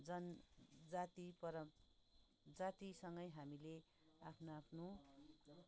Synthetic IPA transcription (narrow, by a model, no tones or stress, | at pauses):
d͡zʌnd͡zat̪ipʌɾʌ | d͡zat̪isʌŋɡʌjɦamile | apʰnoapʰno